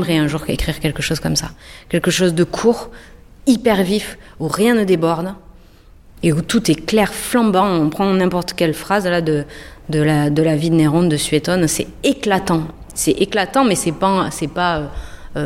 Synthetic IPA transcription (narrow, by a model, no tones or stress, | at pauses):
mʁɛɛ̃ʒuʁkḛkχiʁkʲɛlkəʃozkɔmsa̰kʲɛlkəʃozd̪əkʰuʁ | ipɛʁvifuʁjɛ̃nəd̪ebɔʁd̪ | eut̪ut̪ɛklɛʁflɑ̃bɑ̃ɔ̃pχɑ̃nɛ̃pɔʁt̪əkʲɛlfχazlad̪əd̪əlad̪əlavid̪neʁɔ̃nd̪əsɥet̪ɔnsɛ | eklat̪ɑ̃ | sɛʔeklat̪ɑ̃mɛsɛpasɛpaøø